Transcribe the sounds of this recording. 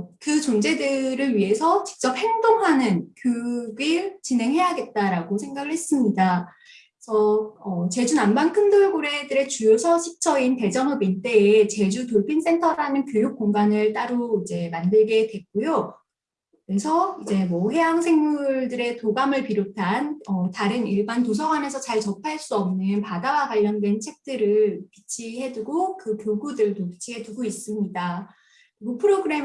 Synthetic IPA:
kɯt͡ɕond͡ʑe̞dɯɾɯɭɥiɦe̞sʰʌt͡ɕi̥k̚t͡ɕ͈ʌp̚he̞ŋdoŋɦanɯnkjoɡit͡ɕinɦe̞ŋɦe̞jaɡe̞t̚t͈aɾaɡosʰeŋɡaɡɯɭhe̞s͈ɯmɲida | sʰʌʌt͡ɕe̞d͡ʑunambankʰɯndoɭɡoɾe̞dɯɾe̞t͡ɕujosʰʌɕʰi̥k̚t͡ɕ͈ʰʌinte̞d͡ʑʌŋɯmint͈e̞et͡ɕe̞d͡ʑutoɭpʰins͈e̞ntʰʌɾanɯnkjojuk̚k͈oŋɡanɯɭt͈aɾoid͡ʑe̞mandɯɭɡe̞dwe̞k͈ojo | kɯɾe̞sʰʌid͡ʑe̞mʌhe̞ɦaŋsʰe̞ŋmuɭdɯɾe̞toɡamɯɭpiɾotʰanʌtaɾɯniɭbantosʰʌɡwane̞sʰʌt͡ɕaɭt͡ɕʌpʰaɭs͈uʌmnɯnpadawaɡwaʎːʌndwe̞nt͡ɕʰe̞k̚t͈ɯɾɯɭpit͡ɕʰiɦe̞duɡokɯkjoɡudɯɭdopi̥t͡ɕʰiɦe̞duɡois͈ɯmɲida | kɯɾiɡopʰɯɾoɡɯɾe̞

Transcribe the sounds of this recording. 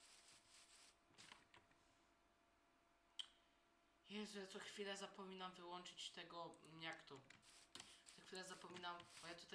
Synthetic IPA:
jɛzat̪sɔxfʲilɛzapɔmʲinamvɘwɔnt͡ʂɘt͡ɕt̪ɛɡɔɲakt̪u | nɛkt̪uɾɛzapɔmʲinambɔjat̪ut̪a

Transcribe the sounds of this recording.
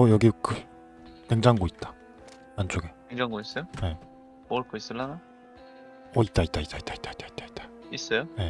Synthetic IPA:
ʌjʌɡikʰɯ | keŋd͡ʑaŋɡoit̚t͈ḁ | ant͡ɕ͈oɡekeŋd͡ʑaŋɡois͈ʌjone̞ | moɭk͈ʰois͈ɯlːana | ʌit̚t͈ait͈̚ait͈ait͈ait͈ai̥t͈ai̥t͈ai̥t͈ḁ | is͈ʌjone̞

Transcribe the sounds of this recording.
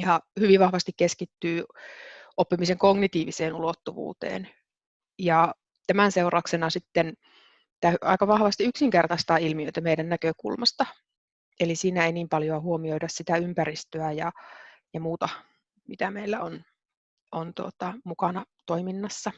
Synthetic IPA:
jjɑhyʋiʋʋɑhʋɑst̪ikkeskit̪ːyː | opːimiseŋkoɡnit̪iːʋiseːnulot̪ːuʋṵːt̪ḛːn | jɑ | t̪æmænseurɑksenɑsit̪ːen | t̪æːyɑ̰ikɑʋɑhʋɑst̪iyksiŋkert̪ɑst̪ɑːilmiøit̪æmeidænnækøkṵlmɑst̪ɑ | elisiːnæeiniːmpɑljoɑhuomioidɑssit̪æympærist̪øæjɑjɑmuːt̪ɑ | mit̪æmeilːæon | ʔont̪uot̪ɑmukɑnɑt̪oiminːɑsːɑ

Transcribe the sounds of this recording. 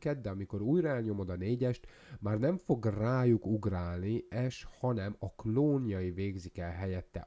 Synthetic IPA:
kɛd̪d̪ɛɒmiko̞ɾuːjrɒɛlɲo̞mo̞d̪ɒneːɟɛʃt̪ | maːrnɛɱfo̞ɡraːjukuɡraːlniɛʃhɒnɛmɒkloːnjɒiveːɡzikɛlɦɛjɛt̪ːɛ̰

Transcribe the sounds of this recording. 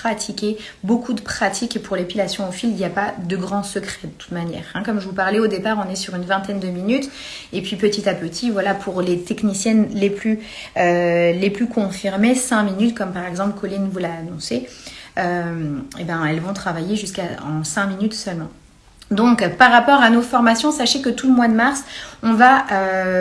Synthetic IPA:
χat̪ʰikʲe | bokʰud̪əpχat̪ʰikepuʁlepilasjɔ̃ofililjapad̪əɡʁɑ̃səkχɛd̪ət̪u̥t̪manjɛ̰ːʁɛ̃kɔmʒəvupaʁlɛod̪epaʁɔ̃nɛsyʁynvɛ̃t̪ɛnd̪əminyt̪ | epɥipət̪it̪apət̪ʰivwalapʰuʁlet̪ɛknisjɛnleplyøleplykɔ̃fiʁmesɛ̃minyt̪kɔmpaʁɛɡzɑ̃pləkɔlinvulaːnɔ̃seømebɛ̃ɛlvɔ̃t̪χavajeʒyskaɑ̰̃sɛ̃minyt̪sœlmɑ̃ | d̪ɔ̃kpaʁːapɔʁanofɔʁmasjɔ̃saʃekət̪uləmwad̪əmaʁsɔ̃vaʔø

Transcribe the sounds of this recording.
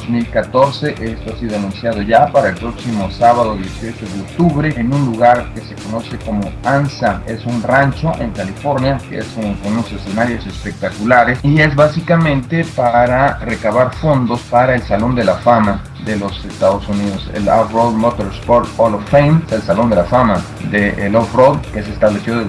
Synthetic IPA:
zmilkat̪o̞ɾse̞ʔe̞st̪oasiðoanũnsjað̞o̞ʝapaɾaelpɾo̞ksimo̞saβaðoðje̞sio̞t͡ʃo̞ðeok̚t̪uβɾe̞enunluɣaɾke̞se̞kono̞se̞ko̞mo̞ansae̞sunrant͡ʃo̞ʔe̞ŋkalifo̞ɾnjakḛḛsunkenunosese̞naɾjo̞se̞spek̚t̪akulaɾesie̞zβasikamẽnt̪e̞paɾare̞kaβaɾfo̞nd̪o̞spaɾaelsalo̞nd̪e̞lafama | ðe̞lo̞se̞st̪aðosuniðo̞sḛla̰frod̪mot̪oɾspoɾt̪olofejnselsalo̞nd̪e̞lafama | ðeʔlofrod̪kes̬est̪aβle̞sjo

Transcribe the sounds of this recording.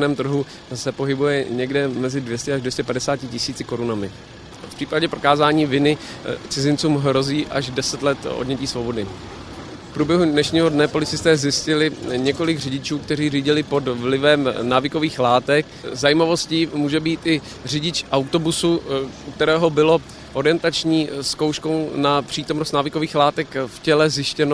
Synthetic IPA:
nɛːmt̪r̩ɦu | sɛpo̞ɦɪbujɛɲɛɡdɛmɛzɪdvjɛscɛaʒdvjɛscɛpadɛsaːcɪcɪsiːt͡sɪko̞ɾunamɪ | fpr̥iːpaɟɛpɾo̞kaːzaːɲiːvɪnɪ | t͡sɪzɪnt͡suːmɦɾo̞ziːʔaʒdɛsɛt̪lɛt̪ʔo̰dɲɛciːsvo̞bo̞dɪ | fpɾuːbjɛɦudnɛʃɲiːɦo̞dnɛpo̞lɪt͡sɪst̪ɛːzjɪscɪlɪɲɛko̞lɪɡrɪɟɪt͡ʃuːk̚t̪ɛr̝iːriːɟɪlɪpo̞dvlɪvɛmnaːvɪko̞viːxlaːt̪ɛk | zajimavo̞sciːmuːʒɛbiːt̪ʔɪ | r̝ɪɟɪt͡ʃʔawt̪o̞busuukt̪ɛɾɛːɦo̞bɪlo̞ | ʔo̞ɾɪjɛnt̪at͡ʃɲiːskowʃko̞wnapr̝̥iːt̪o̞mnost̪naːvɪko̞viːxlaːt̪ɛkfcɛlɛzjɪʃcɛno

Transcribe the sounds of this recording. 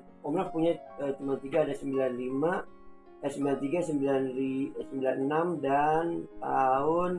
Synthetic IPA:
ɔmɾak̚puɲaət̪umalt̪iɡaːdasəmbilanlima | asəmbilant̪iɡasəmbilanisəmbilanənamdant̪aʊn

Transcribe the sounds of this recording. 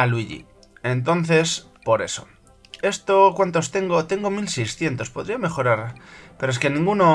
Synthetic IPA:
alwiʎḭ | ent̪̬o̞n̟θe̞s | po̞ɾe̞̰so̞̰ | e̞st̪okwant̪o̞st̪e̞ŋɡot̪e̞ŋɡomilsejsθje̞nt̪o̞spo̞ðɾiame̞xo̞ɾaɾpeɾoeskenĩŋɡuno

